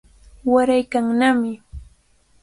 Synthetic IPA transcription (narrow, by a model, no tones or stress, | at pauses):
waɾajkaŋnamɪ